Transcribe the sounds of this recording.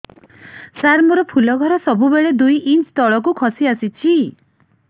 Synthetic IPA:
saɾmɔɾɔpʰulɔɡʱɔɾɔsɔbubeɭed̪ujʔint͡ʃt̪ɔɭɔk̬ukʰɔsiasit͡ʃʰi

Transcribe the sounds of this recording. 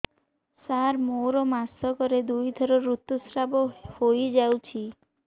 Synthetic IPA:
saɾmowɾɔmasɔkɔɾed̪ujd̪ʱɔɾɔɾut̪ːusɾabɔhojd͡ʒawt͡ʃʰi

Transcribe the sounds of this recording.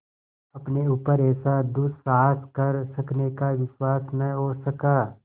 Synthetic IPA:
ɐpneuːpəɾɛːsad̪ʊssaːɦskɐɾsɐknekaʋɪʃwaːsnɐɦoːsɐkaː

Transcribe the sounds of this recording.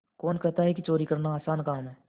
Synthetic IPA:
koːnkɛɦt̪aɦɛkit͡ʃoːɾikɐɾnaaːsaːnkaːmɦɛː

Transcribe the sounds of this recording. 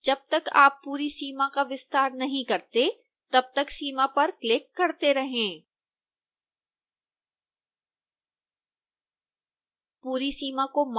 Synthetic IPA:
d͡ʒɐb̚t̪ɐka̰ːpːuːɾisiːmãkaʋɪst̪aːɾnɐɦĩkɐɾt̪e | t̪ɐb̚t̪ɐksiːmapɐɾklɪkːɐɾt̪eɾɐɦẽː | puːɾisiːmakom

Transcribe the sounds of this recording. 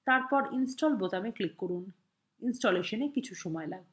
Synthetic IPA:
t̪aɾpɔɾinsʈɔlbot̪ameklikːoɾun | insʈoleʃonekit͡ɕʰuʃɔmɔelaɡ̚

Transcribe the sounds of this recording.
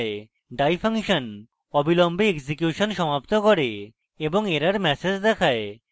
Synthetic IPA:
e | ɖajfʰaŋʃɔn | ɔbʱilɔmbʱeeksikjuʃɔnʃɔmap̚t̪okɔɾe | eboŋeɾaɾmɛsed͡ʑd̪ɛkʰae

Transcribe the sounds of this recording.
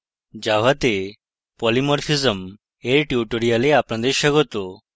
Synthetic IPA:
d͡ʑaʋ̤at̪e | pɔlimɔɾfizəm | eɾʈjuʈoɾijaleapɳ̃ãd̪eɕəɡɔt̪o

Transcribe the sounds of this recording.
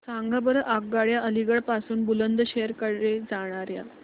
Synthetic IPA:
saŋɡabəɾəʔaɡ̚ɡaɭjaəliɡəɭpasuːnbulənd̪əɕeəɾkəɽed͡zaɽ̃aɾja̰

